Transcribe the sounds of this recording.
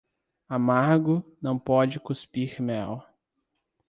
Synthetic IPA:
amaɾɡʊnɐ̃w̃pɔd͡ʒɪkuspiɾmɛw

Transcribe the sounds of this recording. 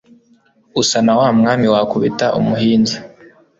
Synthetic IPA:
usanawaːmŋaːmiwakuβitaʔṵmuɦiːnza

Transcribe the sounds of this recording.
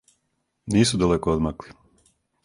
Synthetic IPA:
niːsud̪alekood̪makli

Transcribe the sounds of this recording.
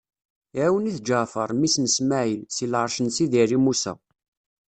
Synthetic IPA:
ʕæwəniθd͡ʒəfəɾˤmisnəsmæʕilsilʕəɾˤʃənsiðirimusæ̰

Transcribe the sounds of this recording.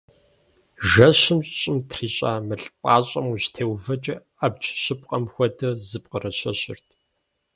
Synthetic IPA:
ʒɐɕɪmɕʼt͡ʃʼɪmtʰriːɕʼaːmɨɬʼpʼaːɕʼɐmuɕtʰeːwvɐt͡ʃʼɐ | ɐbt͡ʃʰʼɕɪp̚ʼqʼɐmxʷɔdʰɐzɨp̚qərɐɕɐɕɪ̰rtʰ

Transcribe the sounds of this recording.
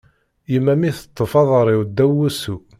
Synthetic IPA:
jəmːæmiθə̥t̪ˤːəfɑðˤəɾˤiwd̪ːæwusu

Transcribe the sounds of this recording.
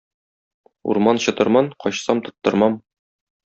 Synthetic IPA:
ṵɾmɑnɕɤ̆t̪ɤ̆ɾmɑnqɒɕsɑmt̪ŏt̪ːɤ̆ɾmɑm

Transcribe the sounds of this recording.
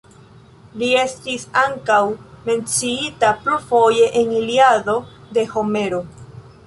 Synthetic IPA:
lie̞st̪isaŋkawme̞nt͡siit̪apɾufo̞je̞ʔeniliaðo̞d̪e̞ho̞me̞ɾo

